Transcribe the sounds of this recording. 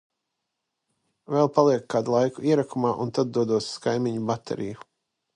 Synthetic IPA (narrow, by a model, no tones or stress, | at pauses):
vɛlˠpalˠiɛkːaːd̪ulˠajkuiɛɾakumaːʔunt̪ad̪̚d̪uɔd̪uɔsskajmiɲubat̪ʰḛɾḭju